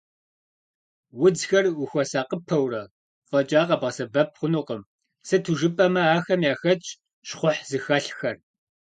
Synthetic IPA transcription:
wʊd͡zxɐrwʊxʷɔsaːqəpʰɐwrɐ | fʼɐt͡ʃʼaːqɐbʁɐsɐbɐp̚ʰχʷʊnuːqəm | sɨtʰuʒɨpʼɐmɐaːxɐmjaːxɐt͡ʃʼ | ɕχʷʊħzɨxɐɬxɐr

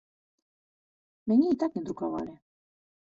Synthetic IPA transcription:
meɲiit̪akind̪ɾukaβa̰ɾe

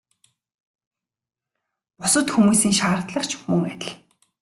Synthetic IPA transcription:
pɔsɞ̆t̪xumuːsiːŋʃaːrt̪ɮə̆χt͡ɕʰmɵŋæt̪ʲɪ̆ɮ

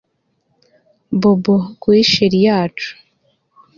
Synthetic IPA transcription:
boboɡwiːʃeɾijaːt͡ʃu̥

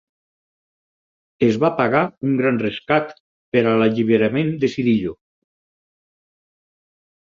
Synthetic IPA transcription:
ezβapaɣauŋɡɾanreskat̪ | peɾalaʎiβ̞eɾamẽnd̪esiðiʎo

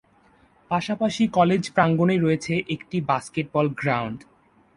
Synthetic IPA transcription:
paʃapaʃikɔled͡ʑpɾaŋɡoneɾoet͡ɕʰeʔekʈibaskeʈ̚bɔlɡɾawɳɖ

